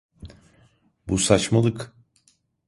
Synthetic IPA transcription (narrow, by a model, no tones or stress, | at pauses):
busat͡ʃmalˠɯk